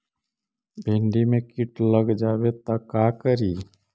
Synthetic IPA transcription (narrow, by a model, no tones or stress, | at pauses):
bʱẽːɳɖimẽkɪʈləɡd͡ʒaːʋet̪akaːkəɾiː